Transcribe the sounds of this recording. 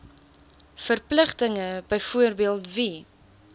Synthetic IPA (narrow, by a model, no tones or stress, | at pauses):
fərpləχtəŋəbəjfuərbiəlˠtvi